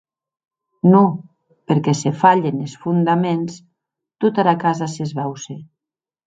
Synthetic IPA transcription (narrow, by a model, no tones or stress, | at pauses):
no | peɾkɛsefaʎenesfund̪amens | t̪ut̪aɾakazasezβɛwse